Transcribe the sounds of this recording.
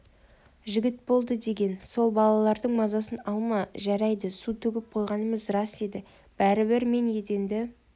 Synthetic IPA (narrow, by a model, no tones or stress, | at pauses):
ʒɪɡʲɪt̪̚bo̞lˠd̪əd̪e̞ɡʲe̞nso̞lˠbɑlˠɑlˠɑɾd̪əɴmɑzɑsənɑlˠmɑʒæɾæjd̪əsut̪ʰʏɡʲɪp̚qʰo̞jʁɑnəməzrɑse̞d̪ɪ | b̥æɾɪbɪɾme̞nje̞d̪e̞nd̪ɪ